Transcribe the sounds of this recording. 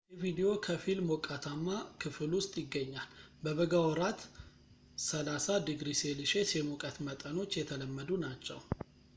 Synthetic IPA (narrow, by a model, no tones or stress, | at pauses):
jɛvid̪ijo̞kʰəfilmokʼat̪ʰamːakʰɨfɨlwʊst̪ʼjɪɡːəɲːalbəβəɡawɔɾat̪ | səlasad̪ɨɡɾiselɨʃe̞sjɛmokʼət̪mət̪ʼəno̞t͡ʃːjɛt̪ʰələmːəd̪unat͡ʃːɛ̰w